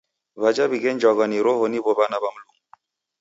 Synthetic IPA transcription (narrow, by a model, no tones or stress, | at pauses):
βad͡ʒabiɡend͡ʒɔɡɔniɾoɦonibobanabamluŋ